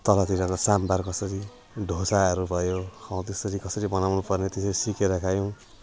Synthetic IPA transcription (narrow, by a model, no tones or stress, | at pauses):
t̪ʌlat̪iɾanasambarkʌsʌɾi | ɖʱosaʌɾubʱʌjokʰaw̃t̪esʌɾikʌsʌɾibʌnawnupʌrnet̪esʌɾisikeɾʌkʰajow̃